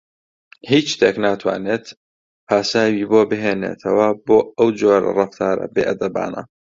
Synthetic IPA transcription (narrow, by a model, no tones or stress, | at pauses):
hiːt͡ʃʃt̪ʰeːknaːt̪ʰwa̰ːneːt̪ | pʰaːsaːwiːboːbɨɦeːnḛːt̪ʰɐwɐboːɐwd͡ʒoːɾ̰rɑft̪ʰaːɾɐ̰beːʔɐd̪ɐba̰ːnɐ̰